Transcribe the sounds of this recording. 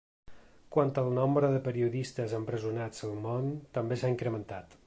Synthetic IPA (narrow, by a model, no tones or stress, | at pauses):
kwant̪əlˠnombɾəðəpəɾiuðist̪əzəmpɾəzunad͡zəlˠmont̪əmbesaiŋkɾəmənt̪at̪